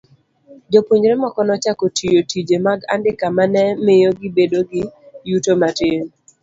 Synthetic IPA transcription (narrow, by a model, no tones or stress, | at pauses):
d͡ʒopoɲɾɛmakɔnɔt͡ʃakɔtʰijotid͡ʒemaɡa̰ndɪkamanɛmɪjɔɡɪbedoɡɪjutomatɪn